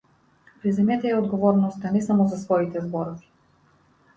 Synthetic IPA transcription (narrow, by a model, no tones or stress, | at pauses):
pɾizɛmjɛt̪ɛɛɔd̪ɡɔvɔɾnɔst̪anɛsamɔzasvɔit̪ɛzbɔɾɔvi̥